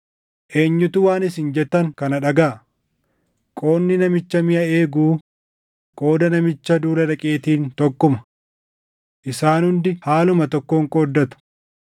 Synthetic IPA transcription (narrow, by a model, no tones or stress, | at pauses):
ʔe̞ːɲːʊt̪ʊwaːnɪs̬ɪnd͡ʒɛt̪ːɐŋkɐnɐᶑɐɡaː | kʼo̞ːnːɪnɐmɪt͡ʃːɐmɪʔɐe̞ːɡuː | kʼo̞ːd̪ɐnɐmɪt͡ʃːɐd̪uːlɐᶑɐkʼe̞ːt̪iːnt̪ɔkʼːʊmɐ̥ | ʔɪsaːnhʊnd̪ɪhaːlʊmɐt̪ɔkːoŋkʼoːd̪ːɐt̪ʊ̥